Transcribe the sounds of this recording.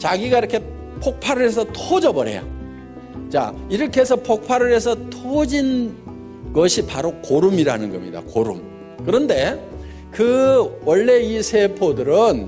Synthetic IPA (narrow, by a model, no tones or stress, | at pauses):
t͡ɕaɡiɡaiɾʌkʰe̞ | pʰok̚pʰaɾɯɭɦesʰʌtʰod͡ʑʌbʌɾe̞̰ja̰ | t͡ɕa̰iɾʌkʰeɦesʰʌpʰok̚pʰaɾɯɾɦe̞sʰʌtʰod͡ʑin | ɡʌɕʰipaɾokoɾumiɾanɯnɡʌmɲḭda̰koɾṵm | kɯɾʌnde̞ | kɯwʌɭːe̞isʰe̞pʰodɯɾɯn